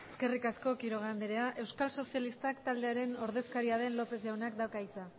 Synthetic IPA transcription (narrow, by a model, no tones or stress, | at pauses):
eske̞rikasko̞kiɾo̞ɣand̪eɾe̞aʔe̞wskalso̞sialist̪akt̪ald̪e̞aɾe̞no̞ɾðe̞skaɾiaðe̞nlo̞pe̞zʝawnakd̪awkait͡sa